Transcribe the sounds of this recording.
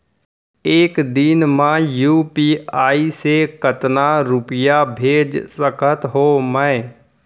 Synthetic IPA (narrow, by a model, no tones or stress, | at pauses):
eːkd̪ɪnmãjuːpiːaːisekət̪naɾʊpɪjabʱeːd͡ʒsəkʰət̪ɦoːmə̃